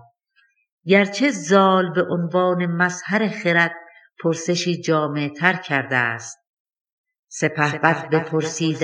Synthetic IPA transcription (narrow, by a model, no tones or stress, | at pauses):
ɡæɾt͡ʃʰezɒːlbeʔonvɒːnemæzhæɾeχeɾæt̪̚ | pʰoɾseʃiːd͡ʒɒːmet̪ʰæɾkʰæɾd̪æst̪̚ | sepʰæhbæt̪bepʰoɾsiːd̪